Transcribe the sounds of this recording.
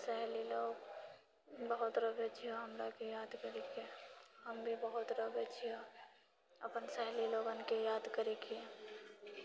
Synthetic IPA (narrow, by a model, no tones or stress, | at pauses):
sɛɦliloːɡ | bəɦʊt̪ɾəbet͡ʃʰijaɦɐmɾakijaːd̪kəɾekeɦɐmbʱibəɦʊt̪ɾəbet͡ʃʰia | ɐpənsɛɦliloːɡankijaːd̪kəɾekʰiẽ